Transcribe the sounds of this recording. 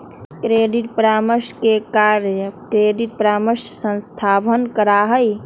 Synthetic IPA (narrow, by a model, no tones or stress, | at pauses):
kɾeɖiʈ̚pɾaməʃkekaɾəkɾeɖiʈ̚pɾaməʃsə̃nst̪ʰabʱənkəɾaɦəj